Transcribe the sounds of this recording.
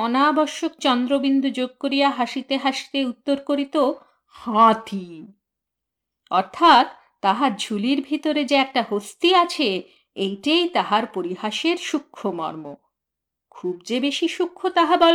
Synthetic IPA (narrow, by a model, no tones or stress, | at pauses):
ɔnabɔɾʃok̚t͡ɕɔnd̪ɾobind̪ʱud͡ʑoɡ̚koɾijaɦaʃit̪eɦaʃi̥t̪eut̪ːoɾkoɾit̪o | hãt̪ʰi | ɔɾt̪ʰat̪ːaɦaɾd͡ʑʱuliɾbʱit̪oɾed͡ʑeɛk̚ʈaɦost̪iat͡ɕʰe | ejʈejt̪aɦaɾpoɾiɦaʃeɾʃukʰːomɔ̰ɾmo | kʰub̚d͡ʑebeʃiʃukʰːot̪aɦabɔl